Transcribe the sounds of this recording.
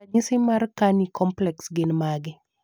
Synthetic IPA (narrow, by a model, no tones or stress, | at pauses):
aɲisɪmarkanikɔmplɛksɡɪnmaɡɪ